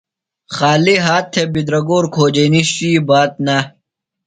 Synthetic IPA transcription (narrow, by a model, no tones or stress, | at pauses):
xaːliɦaːt̪ʰːebid̪ɾɐɡoːɾkʰoːd͡ʑeniɕɕibaːt̪̚nɐ